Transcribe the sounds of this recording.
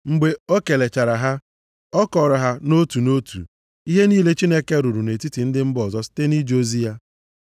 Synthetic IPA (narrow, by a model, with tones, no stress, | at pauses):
ŋ͡m̩˨ɡ͡be˨o˦ke˨le˨t͡ʃa˨ɾa˨ɦa˦ | ɔ˦kɔ˨ɾɔ˨ɦa˦no˦tu˨no˦tṵ˨ | i˦ɦe˦niː˦le˦t͡ʃi˦ne˦ke˦ɾu˨ɾu˨ne˨ti˦ti˨n̩˦dɪ˦m̩˦bɔ˨zɔ˦si̥˦te˦ni˦d͡ʒo˦zi˦a˦